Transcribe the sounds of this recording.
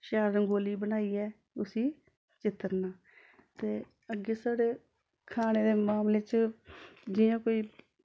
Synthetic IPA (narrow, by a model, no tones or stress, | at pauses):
ʃaːɾəɡoːliːbənaːiːɛː | ʊsiː | t͡ʃɪt̪ːəɾnaː | t̪eː | əɡeːsaːɽeː | kʰaːneːd̪eːmaːmleːt͡ʃ | d͡ʒɪjãːkoːiː